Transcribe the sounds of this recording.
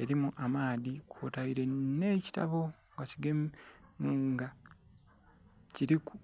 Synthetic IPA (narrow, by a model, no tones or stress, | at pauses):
e̞ɾimuʔamaːðikʰotaiɾe̞ne̞ːci̥ta̰βo̞ | ŋɡaciɡem | ŋɡa | ciɾiku̥